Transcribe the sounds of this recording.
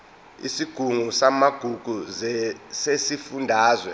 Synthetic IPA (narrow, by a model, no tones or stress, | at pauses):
ḭsiɡ̥ʱuŋusamaɡ̥ʱuɡ̥ʱuzsesifundʱaːzwɛ